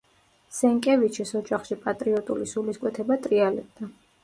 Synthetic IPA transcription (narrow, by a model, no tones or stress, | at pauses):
sɛŋkʼɛvit͡ʃʰisɔd͡ʒaχʃipʼat̪ʼɾiɔt̪ʼulisuliskʼwɛt̪ʰɛbat̪ʼɾialɛb̚d̪a